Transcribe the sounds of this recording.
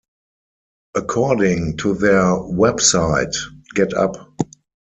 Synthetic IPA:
ʔəkʰɔdɪ̃ŋtʰuðɛwɛbsaɪtɡ̥ɛtʰa̰p

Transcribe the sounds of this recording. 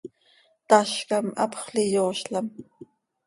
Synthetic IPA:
t̪aʃkamɑ̰pχlɪjoːʃlam

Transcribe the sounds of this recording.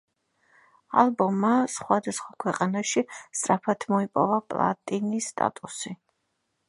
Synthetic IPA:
alˠbɔmːasχwad̪asχwakʰwɛqʼanaʃist̪sʼɾapʰat̪ʰmɔipʼɔ̰vapʼlˠa̰t̪ʼinisːt̪ʼa̰t̪ʼusi

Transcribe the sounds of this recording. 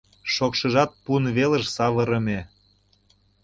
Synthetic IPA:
ʃokʃə̆ʒɑt̪̚punβeləʃsɑβə̆ɾə̆me

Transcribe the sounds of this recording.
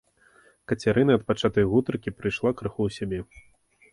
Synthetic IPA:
kɐt͡sʲaɾɨnɐɐt̪̚pat͡ʂat̪ɐjɣut̪ɾkʲipɾɨjʂlˠakɾɨxuwsʲabʲɛ

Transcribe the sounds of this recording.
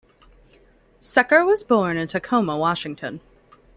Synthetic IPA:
sɛkə˞wʌzbɔɹnɨ̃ntʰɨkʰõʊ̃məwɑʃɪ̃ŋtʰɨ̃n

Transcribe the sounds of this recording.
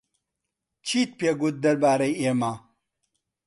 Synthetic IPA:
t͡ʃʰiːt̪̚peɡut̪̚d̪ɐɾbaːɾɐjemaː

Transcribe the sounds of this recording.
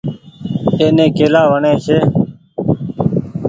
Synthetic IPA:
eːnẽːkeːlaːʋəɳẽːʃʰeː

